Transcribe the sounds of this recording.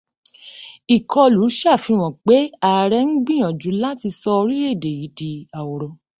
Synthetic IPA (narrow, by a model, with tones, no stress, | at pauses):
i˨kʰɔ˧lu˨˦ʃa˦˨fĩ˧w̃ɔ̃˨k͡pe˨˦a˨ɾɛ˧˦n̩˦ɡ͡bĩ˦j̃ɔ̃˨d͡ʒu˨˦la˦ti˧sɔ˧ɾi˦e˦˨de˨ji˨˦di˨a˨o˨ɾɔ˨˦